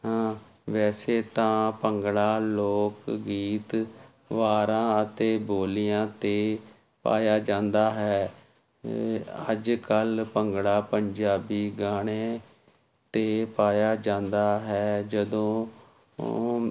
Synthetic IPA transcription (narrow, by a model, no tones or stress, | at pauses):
ɦãː | ʋɛːseːt̪ãːpəŋɡɽaːloːkɡiːt̪ | ʋaːɾãːət̪eːboːlijãːt̪eː | pa̰ːjaːd͡ʒãːnd̪aːɦɛː | ə̰d͡ʒkəlpəŋɡɽaːpəɲd͡ʒaːbiːɡaːɽ̃eː | t̪eːpaːjaːd͡ʒãːnd̪aːɦɛːd͡ʒəd̪õː